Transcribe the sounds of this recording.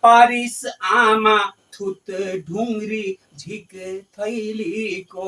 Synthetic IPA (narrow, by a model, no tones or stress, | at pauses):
paːɾisamãt̪ʰut̪ɖʱũŋɡɾi | d͡ʒʱikt̪ʰəɪliko